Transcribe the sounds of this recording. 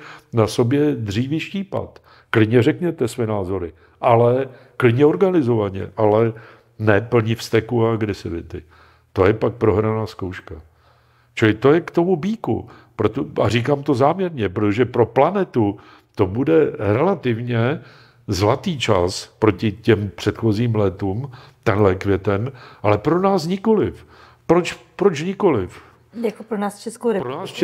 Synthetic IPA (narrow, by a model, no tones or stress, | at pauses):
naso̞bjɛd̪r̝iːvɪʃciːpa̰t̪ | klɪdɲɛrɛkɲɛt̪ɛsvɛnaːzo̞ɾɪ | ʔalɛ | klɪd̪ɲɛo̞ɾɡanɪzo̞vaɲɛ̰ʔalɛ | nɛpl̩ɲɪfst̪ɛkuaaɡɾɛsɪvɪt̪ɪ | t̪o̞jɛpak̚pɾo̞ɦɾanaːskowʃka | t͡ʃɪlɪt̪o̞jɛkt̪o̞mubiːkṵ | pɾot̪oariːkaːmt̪o̞zaːmɲɛɾɲɛpɾot̪oʒɛpɾo̞planɛt̪u | t̪o̞budɛɾɛlat̪ɪvɲɛ | zlat̪iːt͡ʃaspɾo̞cɪcɛmpr̥ɛt̪xo̞ziːmlɛt̪uːmt̪ɛnlɛkvjɛt̪ɛnʔalɛpɾo̞naːsɲɪko̞lɪf | pɾot͡ʃpɾo̞t͡ʃɲɪko̞lɪf | jakopɾonaːst͡ʃɛskowɾɪpɾonaːst͡ʃ